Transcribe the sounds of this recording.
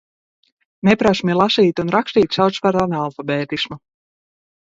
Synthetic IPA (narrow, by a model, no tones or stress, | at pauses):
nepɾasmʲilˠasiːt̪unɾaksʲt̪iːt̪ʲsawt̪spaɾanalˠfabɛːt̪ismu